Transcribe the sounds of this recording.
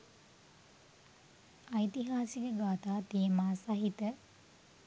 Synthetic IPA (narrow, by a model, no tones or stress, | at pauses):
ɐjt̪iɦaːsikəɡaːt̪aːt̪ijəmaːsɐɦit̪ə